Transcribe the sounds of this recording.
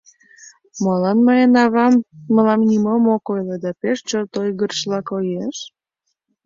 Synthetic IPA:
mɑlɑnmɑjenɑβɑmməlɑmnʲimomokojled̪ɑpeʃt͡ɕort̪ojɣərʃlɑkojeʃ

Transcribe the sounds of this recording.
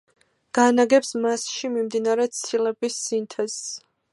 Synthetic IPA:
ɡ̥anaɡɛpsmasʃimimd̪inaɾɛt̪sʰilɛbisːint̪ʰɛs

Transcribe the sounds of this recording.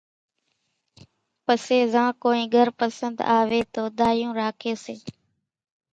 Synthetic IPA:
pəseːzãːkoːĩːɡʱəɾpəsənd̪aːʋeːt̪oːd̪aːjũːɾaːkʰeːseː

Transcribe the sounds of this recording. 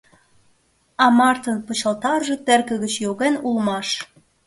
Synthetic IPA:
ɑmɑrt̪ənpət͡ɕəlt̪ɑrʒet̪ĕrkə̆ɣət͡ɕjoɣenulmɑʃ

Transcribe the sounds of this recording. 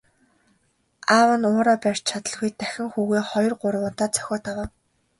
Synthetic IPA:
awə̆nʊːɾɔːpær̥ʲt͡ɕt͡ɕʰat̪ə̆ɮɣujt̪æxʲɪ̆ŋxuːɣeːχɔj̆rɢʊrwʊːt̪aːt͡sœ̥xʲɔːt̪ʰawaːw

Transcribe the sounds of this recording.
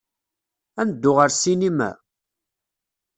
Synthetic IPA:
ænəd̪ːʊʁəɾsinimæ̰

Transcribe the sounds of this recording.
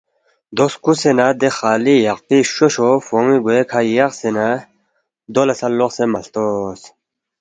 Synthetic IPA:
d̪oskusenad̪exaːlijɐqp̪iɕoɕofomiɡojekʰajaqsena | d̪olɐsɐlːoqsemɐɬt̪os

